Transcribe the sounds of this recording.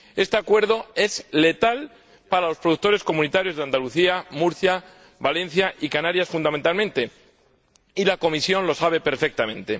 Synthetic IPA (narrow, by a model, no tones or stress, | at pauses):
e̞st̪e̞akwe̞ɾð̞o̞e̞zle̞t̪al | paɾalopɾo̞ðuk̚t̪o̞ɾesko̞mũnit̪aɾjo̞zðeand̪aluθiamuɾθja | βale̞n̟θjaʔikanaɾjasfund̪ament̪almẽnt̪e̞ | ilako̞misjo̞nlo̞saβ̞e̞pe̞ɾfe̞k̚t̪amẽ̞nt̪e̞